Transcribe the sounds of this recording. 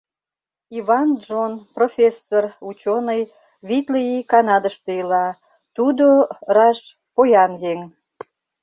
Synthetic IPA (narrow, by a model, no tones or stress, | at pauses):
iβɑnʒonprofʲesːorut͡ɕonəj | βit̪ləikɑnɑd̪əʃt̪eilɑ | t̪ud̪orɑʃ | pojɑnɣeŋ